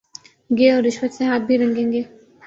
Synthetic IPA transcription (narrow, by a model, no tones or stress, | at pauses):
ɡeɔːɾːɪʃwət̪sẽɦaːt̪̚bʱiɾɐ̃ŋɡẽːŋɡeː